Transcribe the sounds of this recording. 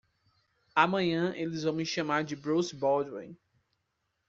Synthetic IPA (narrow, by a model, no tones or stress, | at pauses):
amɐ̃ɲɐ̃ʔelɪzvɐ̃w̃ɪʃɐ̃maɾd͡ʒɪbɾosbɔdwḛ̃j̃